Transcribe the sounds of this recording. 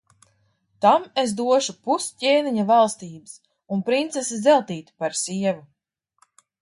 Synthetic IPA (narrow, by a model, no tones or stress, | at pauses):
t̪amesd̪uɔʃupuscʲeːniɲavalˠst̪iːbɨs | unpɾint̪sesizɛlˠt̪iːt̪paɾsiɛvu